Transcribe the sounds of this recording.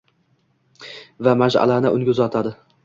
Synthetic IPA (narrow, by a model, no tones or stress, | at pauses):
vamaʒa̰lanɪʔʊŋɡʲʊzɒt̪ʰad̪ɪ